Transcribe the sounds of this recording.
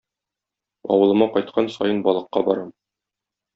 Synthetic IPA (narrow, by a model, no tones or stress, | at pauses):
ɒ̰wɤ̆lˠɤ̆mɑqɒjt̪̚qʰɑnsɒjɤnbɒlˠɤ̆qːɑbɒɾɑm